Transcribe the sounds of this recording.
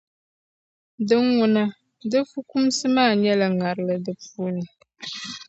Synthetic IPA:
dɨ˦ŋwʊ˦na˦ | dɨ˦fu˦ku˦msɨ˦maː˦˨ɲɛ˦la˨ŋa˨ɾɨ˨lɨ˨dɨ˨puː˦nɨ˨

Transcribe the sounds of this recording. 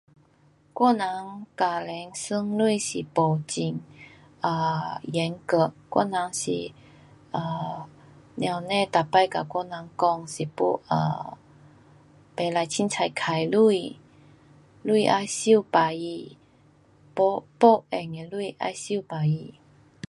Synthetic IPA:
kwɔ˥˨na˧˦ŋka˨˩lɛ˨˦ŋsɨ˧˥ŋlwu˥˧ɕi˨˩pɔ˨˩t͡ɕi˧˩ŋ | ə˧˩jɛ˨˧˦ŋkə˧˩kwɔ̰˥˨nã˨˧˦ŋɕḭ˨˩ | ə˧˩ | nja˧˨wnẽ˥˧˨t̪a˨˩pa˥˧˨jka˨kwɔ˥˧nã˨˧˦ŋkɔ˥˧ŋɕi˨˩pṵ˥˧ə̰˧˩ | pe˨˦la˧jt͡ɕʰi˧˦nt͡sʰa˧˩jkʰa˨˩jlu˥˧˩i | lu˥˧ʔa̰˧˨jɕi˥˧˨pa˨˩i˧ | pɔ˧pɔ˧ɛ˨˩ŋe˨˩lu˥˧ʔa̰˥˧jɕi˥˧˨pa˨˩i˧˩

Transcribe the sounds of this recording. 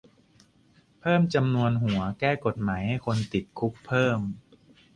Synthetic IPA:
pʰɤː˥˩mt͡ɕa˧mnu˧ənɦu˨˩˦ɐkɛː˥˩ko˨˩t̪̚maː˩˦jha˥˩jkʰo˧nt̪i˨˩t̪̚kʰu˦˥k̚pʰɤː˥˩m

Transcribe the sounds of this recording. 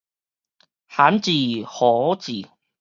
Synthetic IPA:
ha˨˦nt͡ɕi˨˩hɔ˨˦t͡ɕi˨˩

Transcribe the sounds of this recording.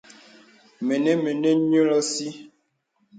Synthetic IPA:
me˨ne˦me˨ne˦ɲo˦lɔ˦si˦

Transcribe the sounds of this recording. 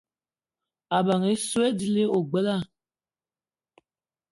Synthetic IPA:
a˨ba˨ŋe˦swe˦di˦le˦o˨ɡ͡bə˦la˦˨

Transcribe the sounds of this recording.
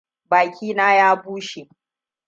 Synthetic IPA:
baː˨kʲiː˦naː˦jaː˦buː˦ʃe˨

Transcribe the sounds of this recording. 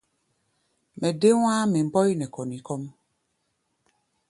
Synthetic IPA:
mɛ˨de˦wa˦me˨m̩˦bɔ˦i˦nɛ˨kɔ˨nĩ˨˦kɔ˦m

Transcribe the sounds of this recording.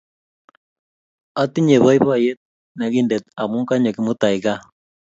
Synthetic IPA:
a˦t̪i˦ɲe˨βɔ˦i˦βa˦˨je˦t̪̚ | na˨ɣi˦ndɛ˨t̪̚a˨mu˦ŋka˦ɲɔ˨ki˦mʊ˦t̪a˨iɣa˦

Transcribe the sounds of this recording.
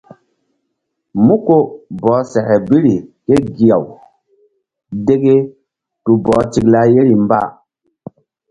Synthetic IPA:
mu˦ko˦bɔ˨˦sɛ˨kɛ˨bi˦ɾi˨ke˦ɡi˨ja̰˨w | de˦ɡe˦ | tu˨bɔː˨˦ti˨kla˦je˦ɾi˨mba̰˦˨

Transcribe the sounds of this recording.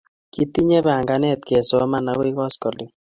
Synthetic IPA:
ki˦ti˦ɲe˦bɛ˨a˨ŋɡa˦nɛ˦˨t̪̚ke˨sɔ˦ma˦na˦kwi˦kɔ˦skɔ˨li˦

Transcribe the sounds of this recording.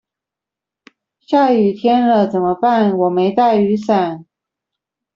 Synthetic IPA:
ɕja˥˩y˨˩t̪ʰjɛ˥nlə˨t͡sə˨˩nmə˦pa˥˩nwɔ˨˩me˧˥ɪt̪a˥˩ɪy˧˥sa˨˩˦n

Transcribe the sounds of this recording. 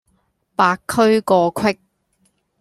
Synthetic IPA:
paː˧kʰːɵ˥ɥkɔː˧kʰwɪ˥k̚

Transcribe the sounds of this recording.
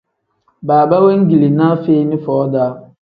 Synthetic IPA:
baː˨ba˦we˦ŋ̩˦ɡi˨li˨nãː˦fe˦i˦nɪ̃˦fɔː˨˦daː˦

